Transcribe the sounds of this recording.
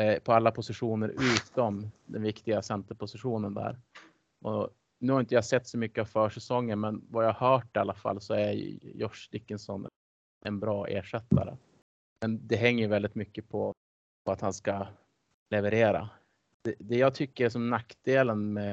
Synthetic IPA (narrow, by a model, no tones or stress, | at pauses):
pʰɔalːapʰʊsɪɧuːnəɾʉ̟ːt̪ɔmd̪ɛnvɪkt̪ɪɡasɛnt̪əɾpʊsɪɧuːnənd̪æ̰ːɾ | ʔɔ̰ | nʉːhaɾɪnt̪əjaasɛt̪ːsɔmʏkːəavfœːʂɛsɔŋːəɾmɛnvajaːhahœːʈ̚ɛalːafa̰lːsɔæɾj̰jɔʂd̪ɪkːənsɔn | ʔɛnbɾɑːʔḛːʂɛt̪ːa̰ɾə̰ | mɛnd̪ɛɦɛŋːəjɵvɛld̪ɪt̪mʏkːəpʰɔ | pʰɔat̪hanska | lɛvəɾeːɾa̰ | d̪̥ɛd̪ɛjɑːɡt̪ʰʏkːəɾs̬ɔmnakd̪eːlənmɛ